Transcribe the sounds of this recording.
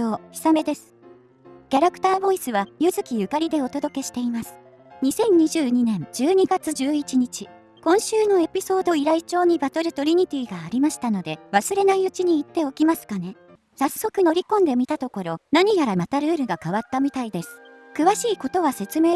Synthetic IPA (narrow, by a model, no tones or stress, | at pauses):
oːçi̥same̞d̪e̞sɨ̥ | kʲaɾakɯ̥t̪aːbo̞isɨβajɯzɨkʲijɯ̟kaɾʲid̪e̞o̞t̪o̞d̪o̞ke̞ɕi̥t̪e̞imasɨ̥ | ɲ̟isẽ̞ɲ̟ɲiʑɨːɲ̟inẽ̞nd͡ʑɨːɲ̟iɡat͡sɨd͡ʑɨːit͡ɕiɲ̟it͡ɕi | kõ̞ɰ̃ɕɨːno̞e̞pʲiso̞ːd̪o̞iɾait͡ɕo̞ːɲ̟ibat̪o̞ɾɯ̟t̪o̞ɾʲiɲ̟it̪ʲiːɡaːɾʲimaɕi̥t̪ano̞d̪e̞βasɨɾe̞naiɯ̟t͡ɕiɲ̟iːt̪ːe̞o̞kʲimasɨ̥kane̞ | sasːo̞kɯ̟no̞ɾʲikõ̞nd̪e̞mʲit̪at̪o̞ko̞ɾo̞naɲ̟ijaɾamat̪aɾɯ̟ːɾɯ̟ɡakaβat̪ːamʲit̪aid̪e̞sɨ̥ | kɯ̟βaɕiːko̞t̪o̞βase̞t͡sɨme̞ː